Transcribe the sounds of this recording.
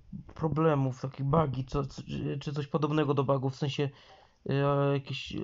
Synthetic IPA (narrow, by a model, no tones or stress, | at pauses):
pɾɔblɛmuft̪akʲijbaɡʲit͡sɔsɔt͡ʂɘt̪sɔɕpɔd̪ɔbnɛɡɔd̪ɔbaɡufːsɛ̃ɕɛ | jakʲeɕ